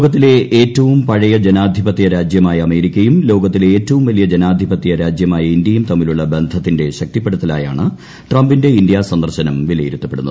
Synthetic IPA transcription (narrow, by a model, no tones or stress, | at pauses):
ɣɐt̪ːile̞ʔeːtːɐʋumpɐɻɐjɐd͡ʑenaːd̪ʱibɐt̪ːijɐɾaːd͡ʑjɐmaːjɐɐme̞ːɾikʲːɐjumlo̞ːɡɐt̪̬ːileeːtːɐʋumʋɐlijɐd͡ʑenaːd̪ʱibɐt̪ːijɐɾaːd͡ʑjɐmaːjɐindjɐjumt̪ɐmːiluɭːɐbe̞nd̪ʱɐt̪ːinde̞ɕɐk̚t̪ipːe̞ɽut̪ːɐla̰ːja̰ːɳɨ | ʈrɐmbinde̞indjasɐnd̪ɐrɕɐnɐmʋilɐjiɾut̪ːɐpːe̞ɽunːɐð